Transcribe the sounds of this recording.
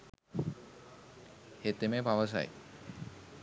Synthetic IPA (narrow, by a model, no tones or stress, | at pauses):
het̪emepaʋəs̬a̰j